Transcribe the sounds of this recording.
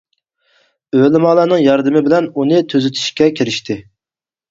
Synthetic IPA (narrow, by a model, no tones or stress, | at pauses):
ølɪmɑːlˠɑːnɨŋjɑɾd̪ɨmɪbɪlɛnunɨt̪ʰøzyt̪ʰy̥ʃkʲɛkʲʰiɾɪʃt̪ʰɪ